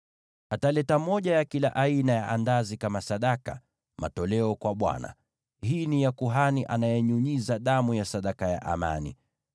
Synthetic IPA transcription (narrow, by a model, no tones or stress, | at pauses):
atalɛtamɔʄajakilaʔainajaʔandazikamasaɗaka̰ | ma̰tɔlɛɔkwaɓwa̰na̰ | hiːnijakuɦaniʔanajɛɲuɲizaɗamujasaɗakaja̰ʔa̰ma̰nḭ